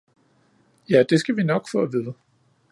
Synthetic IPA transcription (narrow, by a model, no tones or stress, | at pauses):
jæd̥e̝sɡ̥æʋinɒ̽ɡ̥fɒ̽ːæʋiðˠə